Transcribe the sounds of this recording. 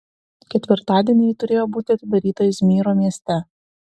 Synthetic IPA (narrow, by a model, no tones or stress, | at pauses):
kʲɛt̪ʲʋʲɪɾt̪ɑːd̪ʲiɛnʲɛt̪ʊɾʲeːjoːbuːt̪ʲɪɐt̪ʲɪd̪ɐɾʲiːt̪ɐjɪsmʲiːɾoːmʲiɛsʲt̪ʲɛ